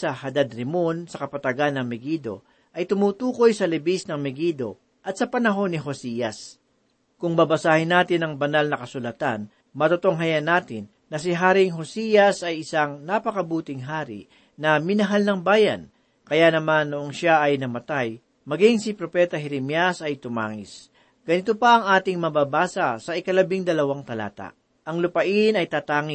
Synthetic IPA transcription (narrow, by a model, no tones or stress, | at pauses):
sɐhɐd̪ad̪ɾɪmonsɐkɐpɐt̪ɐɡanːɐŋmɛɡiːd̪o̞̰ | ʔɐjt̪ʊmuːt̪uːko̞jsɐlɪbisnɐŋmɪɡid̪o̞ | ʔɐt̪̚sɐpɐnɐɦo̞nːɪɦosijɐs | kʊŋbɐbɐsaːhɪnːaːt̪ɪnɐŋbɐnalnɐkɐsʊlɐt̪an | mɐt̪ot̪oŋɦɐjɐnaːt̪ɪnːɐsɪɦaːɾɪŋɦosiːjɐsɐjɪsaŋnapɐkɐbuːt̪ɪŋɦaːɾɪ̰ | nɐmɪnɐɦalnɐŋbaːjɐ̰n | kɐjanɐmanːoʔoŋʃaʔɐjnɐmɐt̪aj | mɐɡiŋsipɾo̞pɛt̪ɐɦɛɾɪmjasɐjt̪ʊma̰ːŋɪ̰s | ɡ̥ɐnɪt̪opɐʔɐŋʔaːt̪ɪŋmɐbaːbaːsɐsɐʔɪkɐlɐbɪŋd̪ɐlɐwaŋt̪ɐla̰ːt̪a̰ʔ | ʔɐŋlʊpɐʔɪnɐjt̪aːt̪aːŋɪ